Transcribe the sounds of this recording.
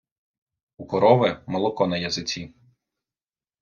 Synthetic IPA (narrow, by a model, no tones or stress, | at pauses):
ukɔɾɔʋɛmɔlˠɔkɔnɐjɐzɪt͡sʲi